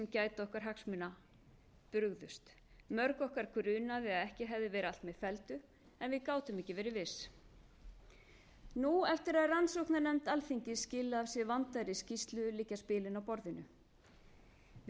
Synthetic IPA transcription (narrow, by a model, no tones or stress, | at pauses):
ɛmcaːjt̪ɔhkaɾ̥ɦaksmʏna | pʏɾɣðʏst̪ | mœɾkɔhkaɾ̥kʰʏɾʏːnaðɪaðɛhcɪɦɛvðɪvɛːɾɪal̥t̪mɛ̥fɛlt̪ʏ | ɛnvɪðkaːwt̪ʏmɛcɪvɛːɾɪvɪs | nuɛft̪ɪɾaðransɔwknanɛmt̪alθiɲcɪscɪːlaavsjɛvant̪ajɾɪscist̪lʏʏliːcːaspɪːlɪnawpɔɾðɪnʏ